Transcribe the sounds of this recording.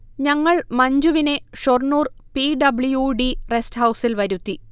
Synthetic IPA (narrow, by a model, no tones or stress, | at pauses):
ɲɐŋːɐɭmɐɲd͡ʑuʋine̞ʂornuːrpiɖɐbɭujuɖiresthɐwsilʋɐɾut̪ːi